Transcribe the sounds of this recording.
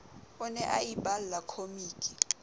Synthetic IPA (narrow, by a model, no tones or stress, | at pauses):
ɔnɛʔajiɓallakʰomiːkʼi̥